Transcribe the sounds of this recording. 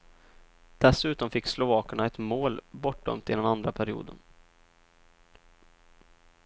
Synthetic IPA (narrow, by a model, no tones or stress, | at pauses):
d̪̥ɛsʉ̟ːt̪ɔmfɪkːslʊvɑːkəɳaɛt̪moːlbɔʈ̚ɖœ̰mt̪ɪnɛnand̪ɾapʰæɾɪṵːd̪ə̰n